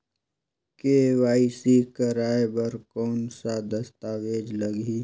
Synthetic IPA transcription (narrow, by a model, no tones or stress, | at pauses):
keːʋaːisikəɾaːebəɾkɔːnsad̪ɐst̪aːʋeːd͡ʒləɡi